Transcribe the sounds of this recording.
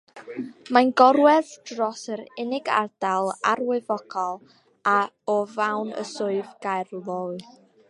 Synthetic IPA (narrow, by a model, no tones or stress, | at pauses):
manɡɔɾwɛðdrɔsəɾɪnɪɡa̰rd̥alˠa̰rwɪvɔkʰɔlˠ | a | ɔvawnə̰sʊɨvɡajrlˠoɨ